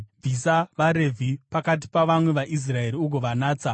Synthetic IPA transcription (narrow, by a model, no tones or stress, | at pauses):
vʱisaʋaɾe̞vʱipakat̬i̥paʋamwe̞ʋaʔis̬rae̞ɾiuk̬oʋanaːt͡sa